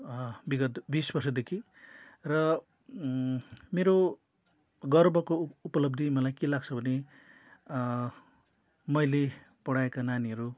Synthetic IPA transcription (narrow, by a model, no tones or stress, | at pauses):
biɡʌt̪bisbʌrsʌd̪ekʰi | rʌ | meɾo | ɡʌrbʱʌkoupʌlʌb̚d̪ʱimʌlajkelaɡt͡sʰʌbʱʌne | mʌjle | pʌɽaekananiɦʌɾu